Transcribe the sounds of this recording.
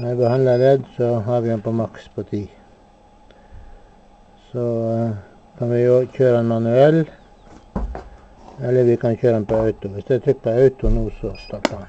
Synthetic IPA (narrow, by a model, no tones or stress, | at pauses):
næbəhɑnd̪ləɾɛd̪sɔɦɑːɾʋɪɛnpɔmɑkspʰɔt̪ʰiː | sɔ | kʰɑnʋɪoçøːɾəɛnmɑnʉɛl | ɛlːəɾʋɪkɑnçøːɾəɛnpɔɑʉt̪ʊʋɪsd̪ɛæt̪ʰɾʏk̚ːpʰɔɑʉt̪ʊnuːsɔst̪ɑːʈːən